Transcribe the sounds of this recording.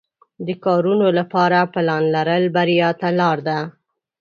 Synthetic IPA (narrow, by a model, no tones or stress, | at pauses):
d̪əkɑɾunolapɑɾaplɑnlaɾəlbaɾijɑt̪alɑɾd̪a